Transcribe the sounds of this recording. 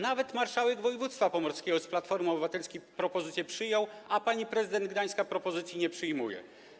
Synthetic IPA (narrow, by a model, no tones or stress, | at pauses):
navɛt̪maɾʂawɛɡvɔjɛvut̪st̪fapɔmɔɾskʲɛɡɔsplat̪fɔɾmɔbɘvat̪ɛlskʲipɾɔpɔzɘt̪sʲjɛpʂɘjɔ̃w̃apaɲipɾɛzɘd̪ɛnd̪̚ɡd̪aj̃skapɾɔpɔzɘt̪sʲjiɲɛpʂɘjmujɛ̰